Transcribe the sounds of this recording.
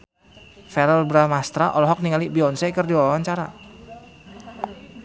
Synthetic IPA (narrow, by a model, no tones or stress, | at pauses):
fɛɾəlbɾamast̪ɾaʔɔlɔɦɔk̚niŋalibiɔnsɛkərdiɔwaɲt͡ʃaɾa̰